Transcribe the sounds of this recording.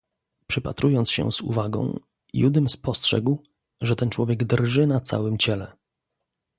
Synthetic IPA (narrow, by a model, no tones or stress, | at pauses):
pʂɘpat̪ɾujɔntsɕɛ̰z̥ṵvaɡɔ̰̃w̃ | jud̪ɘmspɔstʂɛ̰ɡw | ʐɛt̪ɛnt͡ʂwɔvʲjɛɡd̪rʐɘnat̪sa̰wɘmt͡ɕɛlɛ